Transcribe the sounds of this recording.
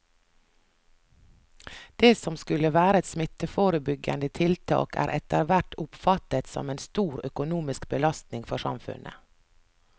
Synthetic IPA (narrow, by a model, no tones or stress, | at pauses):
d̪̥eːsɔmskʉləʋæːɾəɛt̪smɪt̪əfoːɾəbʏɡə̰nd̪ət̪ʰɪlt̪ʰɑ̰ːkæ̰ːɾʔɛt̪əɾʋæʈʊpfɑt̪ət̪sɔ̰meːnst̪uːɾœkʊnuːmɪskbəlɑst̪nɪŋfɔsɑ̰mfʉ̰nʔə̰